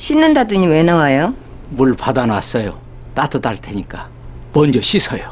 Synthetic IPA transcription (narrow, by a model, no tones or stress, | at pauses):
ɕʰinːɯndadɯɲimwenawajo | muɭpʰadanwas͈ʌjo | t͈atʰɯt͈aɭtʰeɲik͈a | mʌnd͡ʑʌɕʰisʰʌjo